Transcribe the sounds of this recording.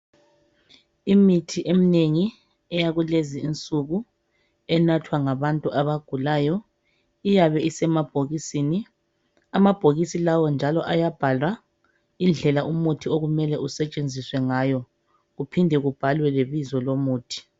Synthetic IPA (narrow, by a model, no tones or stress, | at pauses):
imitʰiʔemineŋi | ɛjaɣuleziːnt͡sʼuɣu | ɛnatʰwaŋaβantʼuʔaβaɡ̥ʱulaːjɔ | ijaβɛisɛmab̥ʱoɣisiːni | amab̥ʱoɣisilawɔnd͡ʒʱalɔʔajab̥ʱalwa | ind͡ɮʱɛlaʔumutʰioɣumɛlɛʔusɛt͡ʃʼend͡zʱiswɛŋaːjɔ | ɣupʰindʱɛɣub̥ʱalwɛleβizɔlomuːtʰi̥